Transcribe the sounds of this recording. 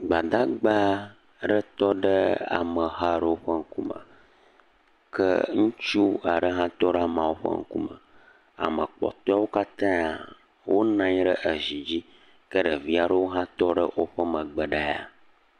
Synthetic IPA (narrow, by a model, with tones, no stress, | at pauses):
ɡ͡ba˨d̪a˦ɡ͡ba˦ | ɖə˦t̪ɔ˦ɖə˦a̰˨mə˨ɦa˦ɖə˦wo˦ɸə˦ŋ̩˦ku˦mə̰̃˨ | kə̰˦ŋũ˦t͡ʃu˦a˨ɖə˦ɦã˦t̪ɔ˦ɖa˦mã˨wo˦ɸə̰˦ŋ̩˦kṵ˦mə̰˨ | a̰˨mə˨k͡pɔ̰˨t̪ɔ˦a˦wo˦ka˦t̪ã˦˨ | wʔo˦nã˦ɲ˦ɖə˦ʔə˨zi˨d͡ʑi˦ | kə˦ɖə˨vi˦a˨ɖə˦wo˦ɦã˦t̪ɔ˦ɖə˦wo˦ɸə˦mə̃˨ɡ͡bə˨ɖa˦ja̰˨